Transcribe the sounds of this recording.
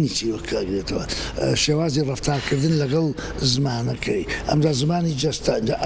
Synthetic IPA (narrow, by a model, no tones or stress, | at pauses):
nit͡ʃiwɐkʰːɐɡɾet̪ʰɐwɐ̰ʃeːwaːzirˤɑft̪ʰaːɾkʰɨɾd̪ɨnlɐɡɐlˠ | zɨmaːnɐkʰɐjʔɐ̰md̪aːzmaːnid͡ʒɐst̪and͡ʒaʔ